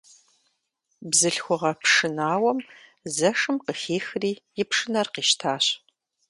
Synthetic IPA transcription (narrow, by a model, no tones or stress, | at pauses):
bzɨɬxʷʊʁɐpʂɨnaːwɐm | zɐʂɨmqəxeːxriːjɪpʂɨnɐrqiːʃtʰaːɕ